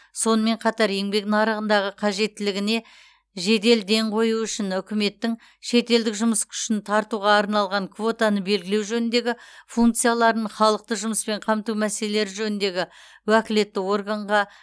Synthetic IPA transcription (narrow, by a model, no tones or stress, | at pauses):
so̞nəme̞ɴqʰɑt̪ɑɾe̞ŋbe̞kt̪ɪnɑɾəʁənd̪ɑʁəqʰɑʒe̞t̪ːɪlɪɡʲɪne̞ | ʒe̞d̪e̞ld̪e̞ɴqʰo̞juʏʃɪnʏkʲɪme̞t̪ːɪŋ | ʃe̞t̪e̞ld̪ɪkʒʊməskʲʰʏ̥ʃɪnt̪ʰɑɾt̪uʁɑːɾnɑlˠʁɑŋkʰvo̞t̪anəbe̞lɡʲɪle̞wʒɵnɪnd̪e̞ɡʲɪfuŋk̚t̪sɨjalˠɑɾnəɴχɑlˠəq̚t̪əʒʊməspe̞ɴqʰɑmt̪uwmæselele̞ɾɪʒɵnɪnd̪e̞ɡʲɪ | wækʲɪle̞t̪ːɪwo̞rɡaɴʁɑ